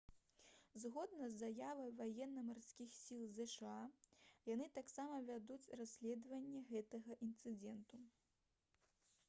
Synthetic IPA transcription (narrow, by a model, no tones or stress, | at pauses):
zɣɔd̪nɐzːajavɐjvajɛnːɐmarsʲkʲixsʲilˠzɛʂɨajanɨt̪aksamɐvʲad̪ut͡sʲrasʲlʲɛd̪vɐnʲːɛɣɛt̪ɐɣɐʔint̪sɨd͡zʲɛnt̪u